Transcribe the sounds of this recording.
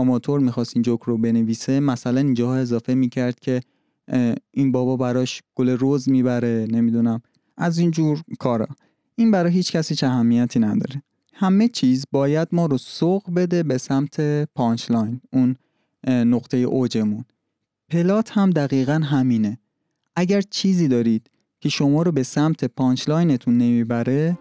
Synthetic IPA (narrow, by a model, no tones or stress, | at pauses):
ɒmɒːt̪ʰo̞ɾmiːxɒːst̪ind͡ʒokʰɾobe̞neviːsemæsælænind͡ʒɒːhɒe̞zɒːfe̞miːcʰæɾd̪̥cʲʰe̞ | inbɒːbɒːbæɾɒːʃɡ̥oleɾozmiːbæɾe̞ne̞mid̪unæm | ʔæzind͡ʒuːɾkʰɒːɾɒ̰ | iːnbæɾɒːɦiːt͡ʃcʰæsiːt͡ʃæɦæmːijæt̪ʰiːnæd̪ɒ̰ːɾe | hæme̞t͡ʃʰiːzbɒːjæd̪̚mɒːɾosoɣbe̞d̪e̞be̞sæmt̪ʰe̞pʰɒːnt͡ʃlɒjnunː | oqt̪ʰe̞jḛʔod͡ʒe̞mun | pʰe̞lɒːt̪ʰhæmd̪æɣiːɣænɦæmiːne̞ | ʔæɟæɾt͡ʃʰiːziːd̪ɒːɾiːd̪̥ | cʰe̞ʃo̞mɒːɾobe̞sæmt̪ʰepʰɒːnt͡ʃlɒːjne̞t̪ʰunːe̞miːbæɾe̞